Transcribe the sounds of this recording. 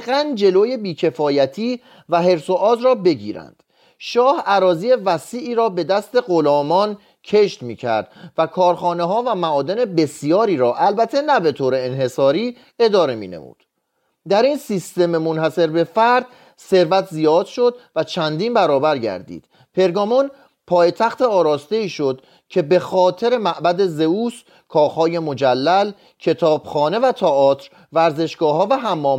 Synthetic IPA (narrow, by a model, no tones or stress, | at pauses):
ɣænd͡ʒe̞loːje̞biːcʰe̞fɒːjæt̪ʰiː | væɦe̞ɾso̞ʔɒːzɾɒːbe̞ɟiːɾæ̰nd̪̥ | ʃɒːhæɾɒːziːe̞væsiːʔiːɾɒːbe̞d̪æst̪e̞ɢolɒːmɒn | cʰe̞ʃt̪miːcʰæ̰ɾd̪̥vækʰɒːɾxɒːneɦɒːvæmæʔɒːd̪e̞ne̞be̞sijɒːɾiːɾɒːʔælbæt̪ʰenæbe̞t̪ʰoːɾe̞eːnɦe̞sɒːɾiː | e̞d̪ɒːɾe̞mḭːne̞̰mṵːd̪̥ | d̪æɾinsist̪e̞memonɦæse̞ɾbe̞fæɾd̪̥ | se̞ɾvæt̪ʰzijɒːd̪̥ʃo̞d̪væt͡ʃʰænd̪iːnbæɾɒːbæɾɟæ̰ɾd̪ḭːd̪̥ | pʰe̞ɾɡɒːmɔn | pʰɒːjet̪ʰæxt̪ʰeɒːɾɒːst̪e̞iːʃo̞d̪ | cʰe̞be̞xɒːt̪ʰe̞ɾe̞mæʔbæd̪e̞zeuːs | kʰɒːxhɒːje̞mod͡ʒælːæl | cʰe̞t̪ʰɒːb̥xɒːne̞væt̪ʰɒʔɒːt̪ʰɾ | væɾze̞ʃɡ̥ɒːɦɒːvæɦæmːɒː